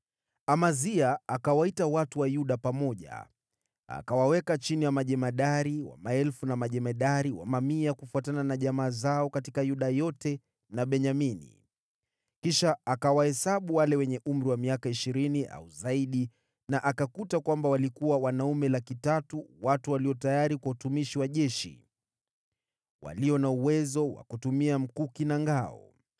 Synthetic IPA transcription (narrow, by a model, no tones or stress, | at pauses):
amaziaakawaitawatuwajuɗapamɔʄa̰ | a̰kawawɛkat͡ʃinijamaʄɛmaɗaɾiwa̰maɛlfunamaʄɛmaɗaɾiwa̰mamiakufuatananaʄamaːzaɔkatikajuɗajɔtɛ | naɓɛɲaminḭ | kiʃaːkawahɛsaɓuwalɛwɛɲɛʔum̩ɾiwamiakaiʃiɾiniʔa̰uzaiɗi | naʔakakutakwambawalikuwawanaumɛlakitatuwatuwaliɔtajaɾikwautumiʃiwaʄɛʃḭ | wa̰liɔnauwɛzɔwa̰kutumiam̩kukinaŋɡaɔ̰